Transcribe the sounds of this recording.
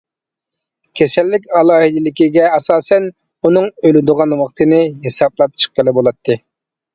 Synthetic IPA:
kʲʰesɛlːɪkʲɑlˠɑːhid̪ɪlɪkʲiɡʲɛɑsɑːsɛn | unɨŋølɪd̪ʊʁɑnwɑqt̪ʰɨnɨɦesɑblˠɑp̚t͡ʃʰə̥qːəlˠɪbolˠɑt̪ʰːɨ

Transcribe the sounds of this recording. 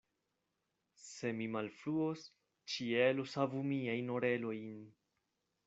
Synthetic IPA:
se̞mimalfluos | t͡ʃielosavumiajnoɾe̞lo̞jn

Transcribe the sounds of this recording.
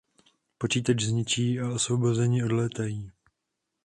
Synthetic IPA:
po̞t͡ʃiːt̪ad͡ʒzɲɪt͡ʃiːaosvobo̞zɛɲɪo̞dlɛːt̪ajiː

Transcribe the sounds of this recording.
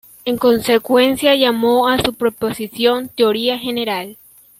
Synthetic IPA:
e̞ŋko̞nse̞kwe̞nsjaʝamo̞asupɾopo̞sisjo̞nt̪eo̞ɾiaxe̞ne̞ɾal

